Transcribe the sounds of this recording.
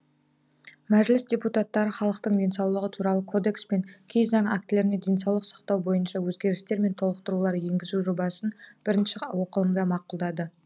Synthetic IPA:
mæʒlɪsdʲe̞put̪at̪ːɑɾəχɑlˠəqt̪əɴd̪ʲe̞nsɑwlˠəʁət̪ʰuɾɑlˠəkʰo̞d̪e̞kspe̞ŋkʲʰe̞jzɑŋak̚t̪ɪle̞ɾɪned̪ʲe̞nsɑwlˠəqsɑ̥qt̪ɑwbo̞jənʃɑwɵzɡʲe̞ɾɪst̪e̞ɾme̞nt̪ʰo̞lˠəq̚t̪əɾulˠɑɾje̞ŋɡʲɪzuʒo̞bɑsənb̥ɪɾɪnʃɪwo̞qəlˠəmd̪ɑmɑqulˠd̪ɑd̪ə

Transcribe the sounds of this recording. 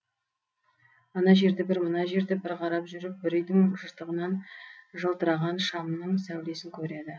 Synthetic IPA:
ɑnɑʒe̞ɾd̪ebɪɾmənɑʒe̞ɾd̪ebɪɾqʰɑɾɑpʒʏɾɪp̚bɪɾɪjd̪ɪŋʒəɾt̪əʁənɑnʒəlˠt̪əɾɑʁɑnʃɑmnəɴsæwle̞sɪŋkʲʰɵɾe̞d̪ɪ

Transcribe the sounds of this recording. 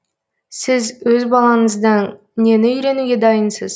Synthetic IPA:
sɪzwɵzbɑlˠɑɴəzd̪əɴ | ne̞nɪʏjɾe̞nuɡʲe̞d̪ɑjənsəz̥

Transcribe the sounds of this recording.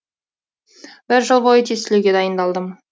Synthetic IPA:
b̥ɪɾʒəlˠbojət̪ʰesɪleɡʲe̞d̪ɑjənd̪ɑlˠd̪əm

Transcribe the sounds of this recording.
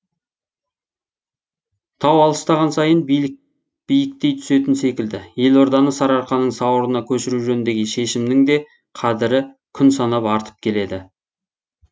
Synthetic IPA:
t̪ʰɑwɑlˠəst̪ɑʁɑnsɑjənb | b̥ijɪk̚t̪e̞jt̪ʰʏ̥se̞t̪ɪnse̞kʲɪld̪ɪje̞lo̞ɾd̪ɑnəsɑɾɑɾqɑnːəɴsɑwəɾənɑkʲʰɵʃɪɾuʒɵnnd̪e̞ɡʲeʃe̞ʃɪmnɪŋd̪e̞ | qʰɑd̪ɪɾɪ | kʲʰʏnsɑnɑpɑɾt̪ʰə̥p̚kʲʰe̞le̞d̪ɪ

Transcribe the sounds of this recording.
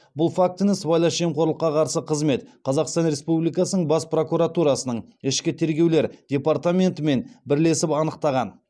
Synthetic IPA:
bʊlˠfak̚t̪ɪnɪsbɑjlˠɑʃemqʰo̞ɾlˠəqːɑqʰɑɾsəqʰəzme̞t̪qʰɑzɑqst̪ɑnɾe̞spublijkɑsənəɴbɑspro̞kuɾat̪uɾɑsənəɴ | ɪʃkʲɪt̪ʰe̞ɾɡʲe̞wle̞ɾd̪̥ʲe̞part̪amʲe̞nt̪əme̞nbɪɾle̞sɪpɑnəq̚t̪ɑʁɑn

